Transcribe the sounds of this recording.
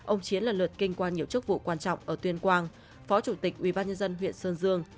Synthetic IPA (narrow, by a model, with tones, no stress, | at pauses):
ʔə˧wŋ͡mt͡ɕi˨˦ənlaː˨˩lɨ˨˩t̚kï˧ŋ̟kwaː˧nɲi˨˩əwt͡ɕɨ˦˥k̚vṵ˧˨kwaː˧nt͡ɕɔ̰˧˨wŋ͡mʔəː˧˩t̪wi˧ənkwaː˧n | fɔ˨˦t͡ɕu˧˩t̪ï˨˩k̟̚ʔwi˧˩ɓaː˧nɲə˧nzə˧nɦwḭ˧˨ənsəː˧nzɨ˧əŋ